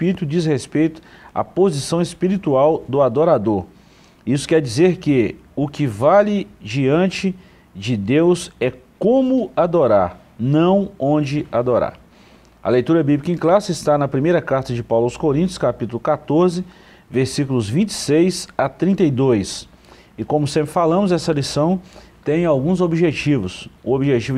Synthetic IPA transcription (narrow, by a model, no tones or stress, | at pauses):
piɾit̪ʊd͡ʒishespejt̪ʊ̥ | a̰pozisɐ̃w̃espiɾit̪uawd̪ʊad̪oɾad̪oɾ | isʊ̥kɛɾd͡ʒizeɾkɪ | ʊkɪvalɪd͡ʒiɐ̃nt͡ʃɪ | d͡ʒɪd̪ewzɛkõmʊad̪oɾaɾ | nɐ̃w̃õd͡ʒɪad̪oɾa̰ɾ | ɐ̰lejt̪uɾɐbiblikẽklasɪɪst̪anɐpɾimejɾɐkaɾt̪ɐd͡ʒɪpawlwʊskoɾĩnt̪jʊ̥skapit̪ʊlʊkat̪oɾzɪ | veɾsikʊlʊzvĩt͡ʃɪ̥sejsat̪ɾĩnt̪ejd̪ojs | ɪkõmʊsẽmpɾɪfalɐ̃mʊzɛsɐlisɐ̃w̃t̪ẽj̃awɡũzobiʒet͡ʃivʊsʊobiʒet͡ʃiv